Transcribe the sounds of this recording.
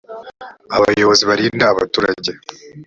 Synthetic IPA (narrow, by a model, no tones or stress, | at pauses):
aβa̰jo̞βo̞ziβaɾiːndaːβatuːɾaɟe̞